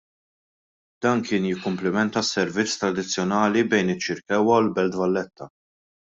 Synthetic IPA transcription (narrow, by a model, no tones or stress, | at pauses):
d̪̥ɐːnkɪːnjɪkːʊmplɪmɛnt̪ɐsːɛɾvɪt͡sːt̪ɾɐd̪ɪt͡sːjɔnɐːlibɛjnɪt͡ʃːɪɾkɛwːɐulbɛld̪vɐlːɛt̪ʰːɐ